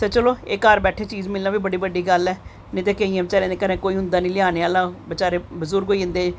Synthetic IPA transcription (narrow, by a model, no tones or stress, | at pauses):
set͡ʃəloːekaːɾbɛːʈʰeːt͡ʃiːzmɪlnãːbiːbəɽiːbəɖiːɡəlɛː | nĩːt̪eːkeĩːãːbɪt͡ʃaːɾẽːd̪eːkəɾẽːkoːiːɦʊnd̪aːnĩːlɪaːneːəlːaːbɪt͡ʃaːɾeːbəzʊɾɡɦoːiːɦʊ̃nd̪eː